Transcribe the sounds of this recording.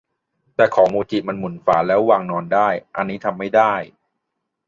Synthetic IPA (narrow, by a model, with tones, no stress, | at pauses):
t̪ɛː˨˩kʰɔː˩˦muː˧t͡ɕi˨˩ma˧nmu˩˦nfa̰ː˩˦lɛː˦˥wwaː˧ŋnɔː˧ndaː˥˩jʔa˧nːiː˦˥t̪ʰa˧mːa˥˩jdaː˥˩j